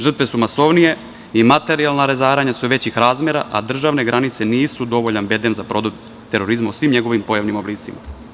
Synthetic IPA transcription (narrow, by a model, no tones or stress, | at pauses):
ʒr̩t̪ʋe̞sumaso̞ʋnije̞ | imat̪e̞ɾialˠnaɾezaːɾaɲasuʋe̞t͡ɕixɾaːzme̞ɾa̰ʔa̰d̪r̩ʒaːʋne̞ɡɾanit̪seniːsud̪o̞ʋoʎanbe̞d̪enzapɾo̞d̪o | t̪e̞ɾo̞ɾizmausʋimɲe̞ɡo̞ʋimpo̞jaʋnimobliːt̪sima̰